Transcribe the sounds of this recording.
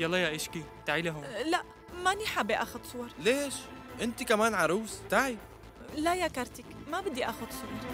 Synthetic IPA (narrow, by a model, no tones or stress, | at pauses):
jɑlːˤɑjaʔɪʃkit̪aʕilaɦʊlaʔ | maniħabiʔa̰ːxʊd̪sˤʊwɑɾˤleːʃʔɪnt̪ikamaːnʕaɾˤuːst̪aʕib | lajakɑɾˤt̪ikmabɪd̪ːiʔaːxʊd̪sˤʊwɑɾˤ